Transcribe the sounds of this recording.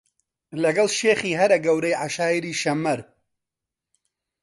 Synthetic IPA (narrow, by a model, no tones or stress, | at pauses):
lɐɡɐlʃeːχiːɦɐɾɐɡɐwɾejʕaʃaːjiɾiːʃɐmːɐɾ